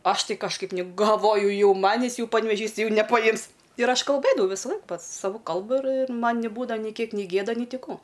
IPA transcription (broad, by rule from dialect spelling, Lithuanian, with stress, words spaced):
ˈɐʃ ˈtʲɪ kɐʃˈkɐɪp nʲɪ ɡɐlˠˈʋoːjʊ ˈjɛʊ ˈmɑːnʲɪs ˈjɛʊ pɐnʲʋʲɛˈʒʲiːs ˈtɐɪ ˈjɛʊ nʲɛpɐˈjɪms ɪr ˈɐʃ kɐlˠˈbɘdɐʋɐʊ ˈʋʲɪsɐˌlˠɐɪk ˈpɐt sɐˈʋʊ ˈkɐlˠbʊ ɪr ɪr ˈmɐn nʲɪˈbuːdɐʋɐ nʲɪ ˈkʲiɛk nʲɪ ˈɡʲeːdɐ ˈnʲɪ ˈtʲɪ ˈkuː